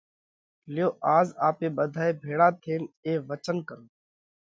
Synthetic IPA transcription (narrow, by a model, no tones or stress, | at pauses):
lɪjoːʔaːzaːpeːɓəd̪ʱaːeːbʱeːɽaːt̪ʰeːneːʋət͡ʃənkəɾoː